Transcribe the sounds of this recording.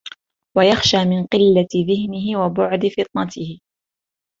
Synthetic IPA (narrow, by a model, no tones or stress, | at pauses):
wajaxʃaːmɪnqɪlːaɪðɪhnɪɦɪwabʊʕd̪ɪfɨt̪ˤnɑt̪ɪhɪ